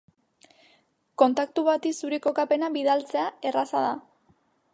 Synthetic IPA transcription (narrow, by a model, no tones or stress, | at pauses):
ko̞nt̪akt̪uβat̪isuɾiko̞kape̞naβiðalt͡se̞ae̞rasað̞a